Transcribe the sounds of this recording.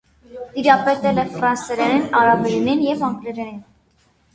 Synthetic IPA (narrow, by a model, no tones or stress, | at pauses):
d̪iɾɑpɛt̪ɛlɛfrɑnsɛɾɛɾɛnɑɾɑvɛɾɛninjɛvɑŋɡlɛɾɛɾɛn